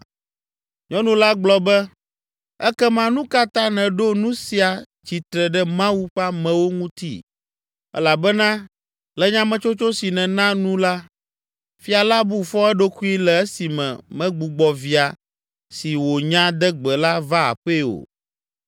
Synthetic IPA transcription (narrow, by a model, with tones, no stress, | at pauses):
ɲɔ̃˦nũ˨la˦ɡ͡blɔ˦bɛ˦ | ɛ˦kɛ˦mã˦nũ˦ka˦t̪ã˦nɛ̃˨ɖo˦nũ˦si˨a˨ | t͡ʃi˨t̪ɾɛ˨ɖɛ˦mã˦wu˦ɸa˦mɛ̃˨wo˦ŋũ˦t̪ḭ˦ | ɛ̰˦la˨bɛ˦nã˦ | lɛ˦ɲã˦mɛ̃˨t͡ʃo˦t͡ʃo˦si˨nɛ̃˨nã˦nũ˦la˦ | fi˦a˨la˦bu˦fɔ˦ɛ˦ɖo˦ku˦i˦lɛ˨ɛ˦si˨mɛ̰̃˨mɛ̃˦ɡ͡bu˨ɡ͡bɔ˨vi˨a˨ | si˨wo˨ɲã˦d̪ɛ˦ɡ͡bɛ˨la˦va˦a̰˨ɸe˦o̰˨